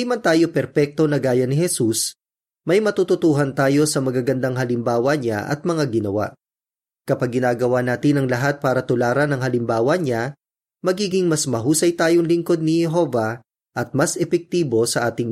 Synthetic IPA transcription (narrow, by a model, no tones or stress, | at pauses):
jmɐnt̪aːjo̞pɛɾpɛk̚t̪o̞nɐɡaːjɐnɪhɛsus | mɐjmɐt̪ut̪ʊt̪uːɦɐnt̪aːjo̞sɐmɐɡaɡɐnd̪aŋɦɐlɪmbaːwɐɲa̰ʔɐ̰t̪̚mɐŋaɡɪnɐwa̰ʔ | kɐpaɡ̚ːɪnaːɡɐwanaːt̪ɪnɐŋlɐɦat̪̚paːɾɐt̪ʊlaːɾɐnɐŋɦɐlɪmbaːwɐɲa | mɐɡiːɡɪŋmɐsmɐɦuːsɐjt̪aːjo̞ŋlɪŋko̞d̪̚nɪhɛɦo̞ːvɐ | ʔɐt̪̚mɐsʔɛpɛk̚t̪iːbo̞sɐʔaːt̪ɪŋ